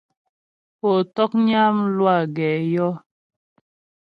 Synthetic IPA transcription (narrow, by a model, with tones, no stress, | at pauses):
po˨tɔ˦k̚ɲa˦m˦lwa˦˨ɡɛː˨jɔ˦